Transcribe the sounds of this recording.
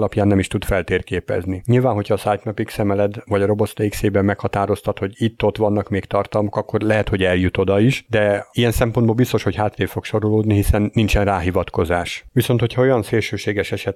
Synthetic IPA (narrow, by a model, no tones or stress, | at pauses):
lɒpjaːnːɛmiʃt̪ud̪fɛlt̪eːrkeːpɛ̰zniɲilvaːnɦo̞cʰhɒːsajt̪mɛpiksɛmɛlɛd̪vɒɟɒɾo̞bo̞t̪st̪eikseːbɛmmɛkhɒt̪aːɾo̞st̪ɒt̪ho̞ɟit̪ːo̞t̪ʋɒnːɒkmeːkt̪ɒrt̪ɒlmo̞kɒkːo̞rlɛɦɛt̪ho̞ɟɛljut̪o̞d̪ɒiʃd̪ɛijɛnsɛmpo̞nd̪boːlbist̪o̞ʃho̞chaːt̪leːfo̞kʃo̞ɾoloːd̪niɦisɛnːint͡ʃɛnraːɦivɒt̪ko̞zaːʃʋiso̞nt̪hocʰɒo̞jɒnseːlʃøːʃeːɡɛʃɛʃɛt̪